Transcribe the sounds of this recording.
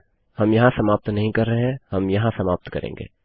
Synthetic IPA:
hɐmjɐɦãsɐmaːp̚t̪nɐɦĩkɐɾːɐɦeɦɛ̃hɐmjɐɦãsɐmaːp̚t̪kɐ̰ɾḛ̃ːŋɡḛː

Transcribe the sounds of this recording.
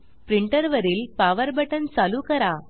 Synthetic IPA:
pɾiɳʈəɾʋəɾiːlpaʋəɾbəʈənt͡saluːkəɾa

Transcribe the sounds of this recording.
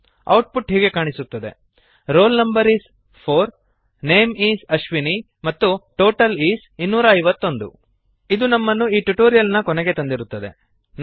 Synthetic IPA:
ɐ̰wʈ̚puʈɦiːɡe̞kaːɳisut̪ːɐd̪e̞̰ | ɾo̞ːlnɐmbɐɾiːs | pʰoːɾ | neːmiːsɐʃʋini | mɐt̪ːuʈoːʈɐliːsinːuːɾɐːɐjʋɐt̪ːo̞nd̪ṵ | id̪unɐmːɐnːuiːʈuʈoːɾijɐlnɐkɔnɛɡe̞t̪ɐnd̪iɾut̪ːɐd̪e̞̰ | n

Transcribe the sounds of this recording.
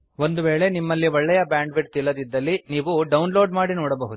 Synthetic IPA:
ʋo̞nd̪uʋeːɭe̞nimːɐlːiɔɭːɛjɐbjaːɳɖʋiʈt̪ilːɐd̪id̪ːɐlːiniːʋuɖɐwunlo̞ːɖmaːɽinɔːɽɐbɐɦud̪u

